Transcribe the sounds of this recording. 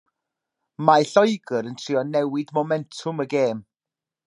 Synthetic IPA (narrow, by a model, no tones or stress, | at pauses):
maɬɔjɡəɾəntʰriɔnɛwɪdmomɛntʰʊməɡeːm